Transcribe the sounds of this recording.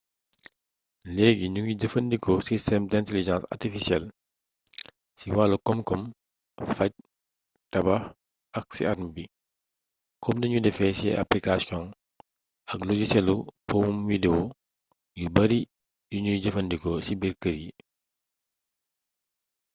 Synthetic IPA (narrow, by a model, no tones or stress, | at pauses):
lɛːɡiɲuŋjudɐfɐndikʰɔsistɛmdɛ̃nteliʒɑ̃nsa̰rtifisjɛl | siwaːlukɔmkɔm | fɐc̚ | tɐbɐ | ɐk̚sḭaɾmbi | kɔmdɐɲudɛfɛsḭa̰plikasjɔ̃ŋ | ɐkloɟisɛlupɔmumwidewu | jubɐɾi | duɲuɟɐfɐndikɔsibirkəɾji